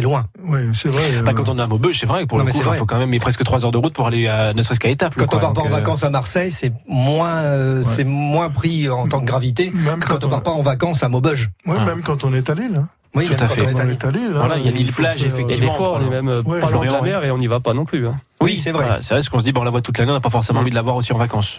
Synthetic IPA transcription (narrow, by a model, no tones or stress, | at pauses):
ɛlwɛ̃ | wisɛvʁɛbakɑ̃t̪ɔ̃namobɔʒsɛvʁɛpuʁləmɛkuɛʁfokɑ̃mɛmɛmepχɛskət̪χwazœʁd̪əʁut̪̚puʁaleanəsəʁɛskaet̪apkɑ̃tk̪ɔ̃paʁ̃paɑ̃vakɑ̃samaʁsɛjsɛmwɛ̃øsɛmwɛ̃pχiɑ̃t̪ɑ̃kəɡʁavit̪emɛkəkkɑ̃t̪̬ɔ̃paʁpaɑ̃vakɑ̃samobɔʒwimɛmkɑ̃t̪ɔ̃nɛt̪alil | wit̪ut̪afɛɛt̪alilvwalailjanilplaʒefɛkt̪eivd̪ẽfwãemɛmøaflɔdʁj̪əlamɛʁeɔ̃nivapanɔ̃plyɛ̃ | wisɛvʁɛa̰sɛvʁɛsə̥kɔ̃səd̪ibɛ̃ɔ̃lavwat̪ut̪laneɔ̃napafɔʁsemɑ̃vid̪əlavwaʁosiɑ̃vakɑ̃s